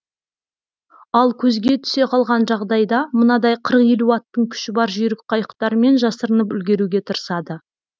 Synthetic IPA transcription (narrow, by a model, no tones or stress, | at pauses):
ɑlˠkʲʰɵzɡʲe̞t̪ʰʏ̥se̞qʰɑlˠʁɑnʒɑʁd̪ɑjd̪ɑmənɑd̪ɑjqʰəɾəqje̞luɑt̪ːəɴkʲʰʏ̥ʃɪbɑɾʒijɾɪk̚qʰɑjəqt̪ɑɾəme̞nʒɑsəɾənəpʏlɡʲe̞ɾuɡʲe̞t̪ʰəɾəsɑd̪ə